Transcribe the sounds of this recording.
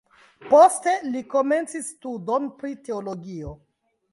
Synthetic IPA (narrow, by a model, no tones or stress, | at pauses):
po̞ste̞liko̞me̞nt͡sisːtudonpɾite̞olo̞ɡio